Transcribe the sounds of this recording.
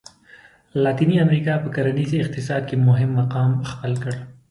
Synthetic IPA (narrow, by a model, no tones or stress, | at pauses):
lɑt̪iniamɾikɑpəkaɾaniziɪq̚t̪ɪsɑd̪̚kemʊɦɪmːaqɑmxpəlkəɽ